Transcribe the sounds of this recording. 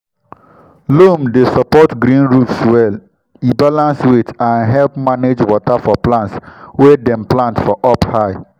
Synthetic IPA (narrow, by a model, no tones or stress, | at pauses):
lomdesɔpɔtɡɾĩnɹufswɛl | ibalãnswetãnɦɛlpmaned͡ʒwɔtafɔplãntswedɛ̃mplãntfɔʔɔphaɪ